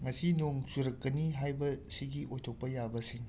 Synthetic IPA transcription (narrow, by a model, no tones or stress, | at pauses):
ŋɐsinoŋsuɾɐkːɐniɦajbɐsiɡiʔojtʰok̚pɐjabɐsiŋ